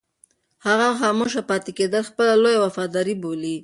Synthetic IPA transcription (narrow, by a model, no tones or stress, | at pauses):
haɣamxɑmoʃ̬apɑt̪ɪked̪əlxpəlalojawafɑd̪ɑɾiboli